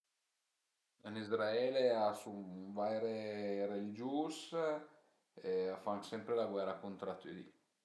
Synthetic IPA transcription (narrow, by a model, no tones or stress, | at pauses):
ənizɾaɛːleasuvajɾerelid͡ʒuːs | eafaŋksɛmpɾelaɡwɛrːakunt̪ɾat̪ːid̪ḭ